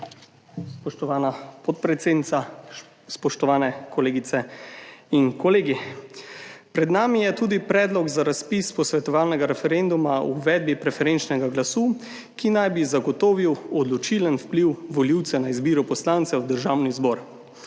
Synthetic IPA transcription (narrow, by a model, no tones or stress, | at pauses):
pɔʃt̪ɔʋaːnapɔt̪̚pɾɛt̪seːd̪nit̪a | spɔʃt̪ɔʋaːnɛkɔleːɡit̪sɛ | inkɔleːɡi | pɾɛd̪naːmijɛt̪uːd̪ipɾɛːd̪lɔɡzaɾaspispɔsʋɛt̪ɔʋaːlnɛɡaɾɛfɛɾend̪umaṵːʋɛːd̪̚bipɾɛfɛɾent͡ʃnɛɡaɡlasuː | kinajbizaɡɔt̪oːʋiwɔd̪lɔt͡ʃilənfpliwʋɔliwt̪sɛnaizbiːɾupɔslant̪sɛwd̪əɾʒaːwnizbɔːɾ